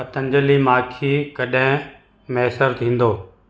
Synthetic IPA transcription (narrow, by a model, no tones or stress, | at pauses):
ɐt̪ɐ̃ɲd͡ʑəlimaːkʰikɐɗɦɪ̃ | mɛːsəɾt̪ʰĩːn̆d̪oː